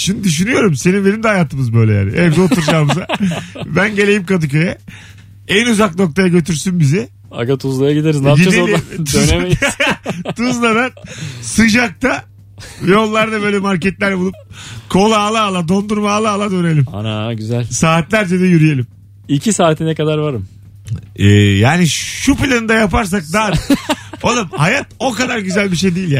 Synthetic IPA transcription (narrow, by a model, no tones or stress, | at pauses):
ʃimnid̪yʃ̬ynyjo̞ɾumse̞ninbe̞nimd̪ɛajaːt̪ʰɯmɯzbø̞jlʲɛja̰ːniʔɛɛbizɛo̞t̪ʰuɾd͡ʒaːmɯzabænɟe̞lʲe̞jimkad̪ɯcøjɛ | ænuzakno̞k̚t̪ʰajaɟø̞t̪ʰyɾsynbizɛ | a̰ɡat̪ʰuzlˠajaɟid̪eɾiznɟileolʲiøne | t̪ʰuzlˠad̪ansɯd͡ʒak̚t̪ʰa | vɛjo̞lˠːaɾd̪abø̞ːjlʲɛmaɾcɛt̪lʲæɾbulˠup̚kʰo̞lˠaːlˠaːlˠad̪o̞nd̪uɾmaːlˠaːlˠad̪øne̞lʲima̰naɟyzælʲsaːt̪lʲæɾd͡ʒɛd̪ɛjyɾyje̞lʲim | icʰisaːt̪ʰinɛkad̪aɾvaɾɯm | ɛːjaːniʃʃupilʲanɯd̪ajapaɾs̬ak̚d̪a | olˠɯmhajat̪o̞kad̪aɾɟyzælʲbiʃ̬e̞jd̪ijilʲja